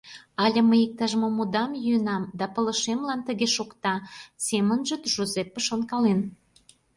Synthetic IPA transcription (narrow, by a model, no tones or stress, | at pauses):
ɑlʲĕməjik̚t̪ɑʒmomud̪ɑmjyənɑmd̪ɑpə̆lə̆ʃemlɑnt̪əɣeʃokt̪ɑsemənʒət̪ʒozepːəʃonkɑlen